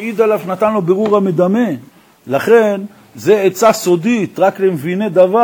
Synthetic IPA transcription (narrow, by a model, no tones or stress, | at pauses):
id̪alavnat̪anlobeʁuʁamed̪ame̞n | laχe̞n | ze̞et͡saso̞d̪it̪ʁakle̞mvine̞d̪ava